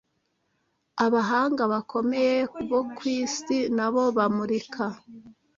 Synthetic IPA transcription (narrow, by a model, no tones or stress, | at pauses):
aβaɦaːŋɡaβakʰo̞me̞jekuβokwiːstinaβo̞βamuɾikʰa